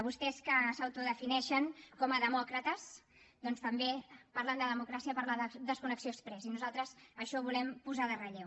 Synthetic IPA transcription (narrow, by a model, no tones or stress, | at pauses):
βust̪ɛskəsəwt̪uðəfinɛʃəŋkɔməðəmɔkɾət̪əz | d̪ɔnst̪əmbepaɾland̪əðəmukɾasiəpəɾlaðd̪əskunəksiospɾɛzinuzalˠt̪ɾəzəʃɔβulɛmpuzaðərəʎew